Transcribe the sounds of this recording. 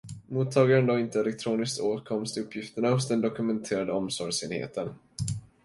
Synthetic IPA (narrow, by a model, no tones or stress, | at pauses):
muːt̪ʰːɑːɡaɾənd̪ɔɪnt̪əɛlɛk̚t̪ʰɾuːnɪskt̪oːt̪kʰɔmst̪ʰɪɵpʰːjɪft̪əɳahʊsd̪ɛnd̪ɔkɵmɛnt̪ʰeːɾad̪əɔmsɔɾjseːnhḛːt̪ʰən